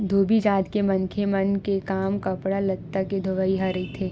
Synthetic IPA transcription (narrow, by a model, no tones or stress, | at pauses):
d̪ʱoːbid͡ʒaːd̪kemɐnkʰemɐnkekaːmkɐpɽalɐt̪ːaked̪ʱoʋaːiɦaɾɐit̪ʰeː